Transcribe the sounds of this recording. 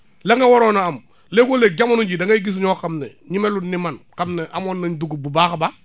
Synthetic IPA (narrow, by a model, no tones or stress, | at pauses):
laŋɡawoɾonaam | lekoleɡamonud͡ʒidaŋɡaiɡis̬uɲɔːkamnɛɲimelunimankamnɛʔamonːaɲduɡububaxba